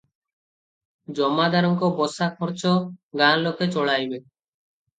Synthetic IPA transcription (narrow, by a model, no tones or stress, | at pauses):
d͡ʒɔmad̪ʱaɾɔŋkɔbɔsakʰɔɾt͡ʃɔɡaloket͡ʃɔɭajbe